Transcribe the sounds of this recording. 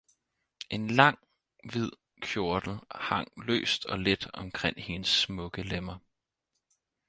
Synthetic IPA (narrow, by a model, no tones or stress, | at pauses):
ʔe̝nlɑ̈ŋ̰ | ʋið̞̰ˠ | kʰjo̝ɐd̥l̩hɑ̈ŋ̰lø̰ːsd̥ɒ̽led̥ɒ̽mkʰʁeŋ̰he̝nəsmɔ̽ɡ̥əlemɐ